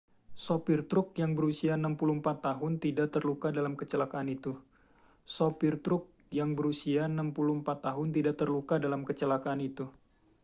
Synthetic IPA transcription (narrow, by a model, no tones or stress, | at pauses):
sopɪrt̪ɾʊk̚jaŋbəɾusiaənampulumpat̪ːaɦʊnt̪idaʔt̪ərlukadalamkət͡ʃəlakaːnit̪u | sopɪrt̪ɾʊk̚ | jaŋbəɾusiaənampulumpat̪ːaɦʊnt̪idaʔt̪ərlukadalamkət͡ʃəlakaːnit̪u